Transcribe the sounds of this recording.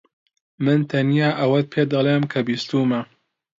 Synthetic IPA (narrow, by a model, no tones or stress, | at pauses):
mɨnt̪ʰɐnijaːʔɐwɐt̪̚pʰeːd̪ɐlˠeːmkʰɐbiːst̪uːmɐ